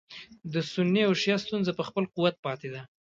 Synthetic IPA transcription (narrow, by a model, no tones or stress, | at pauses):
d̪əsʊnːiawʃjɑst̪unzapəxpəlquwat̪̚pɑt̪ed̪a